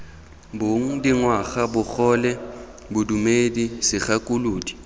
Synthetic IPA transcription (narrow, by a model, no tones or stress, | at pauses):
boŋ̩diŋwaxabʊk͡xɔlɛ | bʊdumedisɪχakʼuluːdi̥